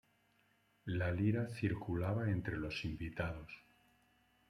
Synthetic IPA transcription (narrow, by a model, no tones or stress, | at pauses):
laliɾaθiɾkulaβae̞nt̪ɾe̞lo̞simbit̪að̞o̞s